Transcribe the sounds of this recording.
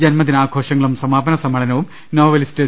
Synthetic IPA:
d͡ʑɐnmɐt̪̬ːinaːɡʱoːʂɐŋːɐɭumsɐmaːbɐnɐsɐmɐɭɐnɐʋum | noːʋɐlste

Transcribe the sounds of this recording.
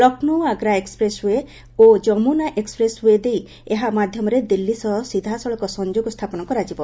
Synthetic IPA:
lɔknuaɡɾaekspɾesɦue | od͡ʒɔmunaʔekspɾesɦued̪ej | eɦamad̪ʱjɔmɔɾed̪ilːisɔsid̪ʱasɔɭɔkɔsɔɲd͡ʒoɡɔst̪ʰapɔnɔkɔɾad͡ʒibɔ

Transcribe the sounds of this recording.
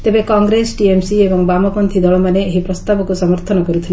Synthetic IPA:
t̪ebekɔŋɡɾesʈiemsiebɔŋbamɔpɔnt̪ʰid̪ɔɭɔmaneeɦipɾɔst̪abɔkusɔmɔɾt̪ʰɔnɔkɔɾut̪ʰile

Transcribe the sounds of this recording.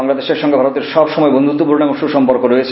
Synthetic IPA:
aŋlad̪eʃekʃɔŋɡebʱaɾot̪eɾʃɔbʃɔmɔebond̪ʱut̪ːupuɾnemoʃuʃɔmpoɾkoɾoet͡ɕʰ

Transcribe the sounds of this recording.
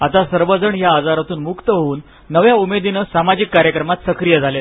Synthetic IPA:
at̪asəɾʋəd͡zəɳjaːd͡zaɾat̪uːnmukt̪əɦouːnː | əʋjaumed̪inəsamad͡ʑikːaɾjəkɾəmat̪səkɾijəd͡zʱalet̪

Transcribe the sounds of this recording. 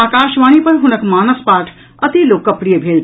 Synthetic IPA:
aːkaːʃʋaːñipɐɾɦʊnəkmaːnəspaːʈʰ | ɐt̪iloːkːɐpɽijebʱeːlt̪

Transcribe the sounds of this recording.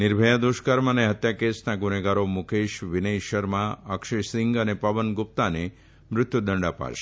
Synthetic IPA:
nɪɾbʱəjad̪uʃkaɾməneɦət̪jakesnaɡʊneɡaɾomʊkʰeʃʋɪnejʃəɾmãəkʃesɪŋɡənepəʋənɡʊp̚t̪ane | mɾʊt̪jud̪ʱəɳɖapa̰ʃ

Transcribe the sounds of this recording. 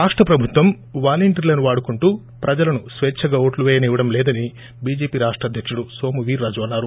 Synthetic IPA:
ɾaːʂʈɾɐpɾɐbʱut̪ʋɐm | ʋaːliɳʈɐɾlɐnuʋaːɽukuɳʈuː | pɾɐd͡ʒɐlɐnusʋɛːt͡ʃʰɐɡaːoːʈluʋɛːjɐniːʋɐɽɐmlɛːd̪ɐni | biːd͡ʒeːpiːɾaːʂʈɾɐːd̪ʱjɐkʂuɽuso̞ːmuʋiːɾːaːd͡ʒuʋɐnːaːɾu

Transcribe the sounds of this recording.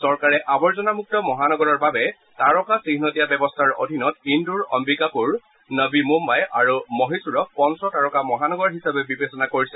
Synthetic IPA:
sɔɹkaɹɛʔabɔɹzɔnamuk̚tɔmɔɦanɔɡɔɹɔɹbabɛ | taɹɔkasiɦnotijabɛbɔstʰaɹo̰dʱinɔtinduɹɔ̰mbikapuɹ | nəbimumbajaɹumɔɦisuɹɔk̚pɔnsɔtaɹɔkamɔɦanɔɡɔɹɦisabɛbibesɔnakoɹisɛ

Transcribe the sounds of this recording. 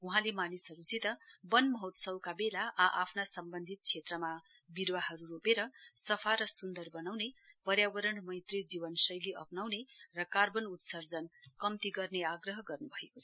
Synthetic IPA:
uɦãlemanisɦʌɾusit̪ʌbʌnmʌɦʌt̪sʌwkabelaʔaʔapʰnasʌmbʌnd̪ʱit̪̚t͡sʰet̪rʌma | biɾwaɦʌɾuɾopeɾʌsʌpʰaɾʌsund̪ʌrbʌnawnepʌɾjabʌɾʌɳmʌjt̪rid͡ziβʌnsʌjleʔʌpnawnerʌkarbʌnut̪sʌrd͡zʌnkʌmt̪iɡʌrneaɡrʌɦʌɡʌrnubʱʌekot͡sʰʌ̥

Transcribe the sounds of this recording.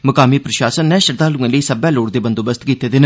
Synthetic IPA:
məkaːmiːpɾəʃaːsənːɛ̃ːʃəɾd̪aːlũːẽːləiːsəbɛːloːɽd̪eːbənd̪oːbəst̪kiːt̪eːd̪ɪn

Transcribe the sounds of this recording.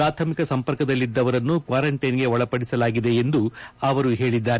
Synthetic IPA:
aːt̪ʰɐmikɐsɐmpɐɾkɐd̪ɐlːid̪ːɐʋɐɾɐnːukʋaːɾɐɳʈɐjnɡe̞ɔɭɐpɐɽisɐlaːɡid̪e̞ːnd̪uɐʋɐɾuɦe̞ːɭid̪ːaːɾe

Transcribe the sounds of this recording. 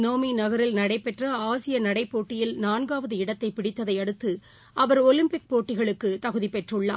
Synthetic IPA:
noːminɐɣɐɾɪlnɐɽɐɪpːɛʈrɐaːsɪjɐnɐɽɐɪpːoːʈːɪjɪlnaːnɡaːʋɐðɯɪɽɐt̪ːɐɪpɪɽɪt̪ːɐðɐɪɐɽɯt̪ːɯ | ʔɐʋɐɾɔlɪmpɪk̚poːʈːɪɣɐɭɯkːɯt̪ɐɣɯðipɛʈrɯɭːa̰ː

